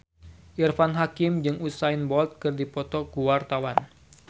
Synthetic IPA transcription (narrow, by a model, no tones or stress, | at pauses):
ʔirfanɦakɪmd͡ʒɨŋusainbɔlt̪̚kɨrdipɔt̪ɔkuwart̪awan